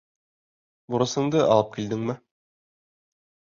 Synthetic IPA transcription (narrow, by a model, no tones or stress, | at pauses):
buɾɤ̆sɤ̆ɴd̪ɤʔɒ̰lˠɤp̚kild̪ɘŋmɘ